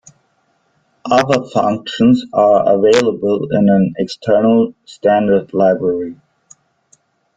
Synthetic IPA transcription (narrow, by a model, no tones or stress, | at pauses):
ʔʌðəfʌ̃ŋkʃə̃nzə˞ə̰veɪlˠəbəlˠɪ̃nə̃nɛkstʰɜ˞nl̩ˠstæ̃ndə˞dlaɪbɹəɹi